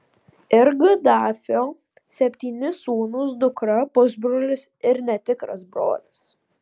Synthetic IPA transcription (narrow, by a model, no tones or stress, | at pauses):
ɪɾɡɨd̪ɑːfʲoː | sʲɛpʲt̪ʲiːnʲɪsuːnʊsd̪ʊkɾɐpʊzbɾoːlʲɪsɪɾnʲɛt̪ʲɪkɾɐ̰sbɾo̰ːlʲɪs